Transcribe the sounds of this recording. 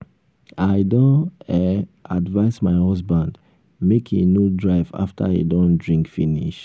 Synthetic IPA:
aɪdɔ̃ɛadvaɪsmaɪhɔsbãnd | mekʰenudɹaɪva̰ftʰaḛdɔ̃ndɹĩŋkfinḭʃ

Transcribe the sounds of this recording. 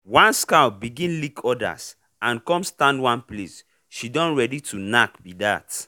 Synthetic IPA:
wãnskabiɡĩnlikʰɔda̰s | ãnkɔ̃mstãndwãnples | ʃidɔ̃nɹɛditʰunakbidat

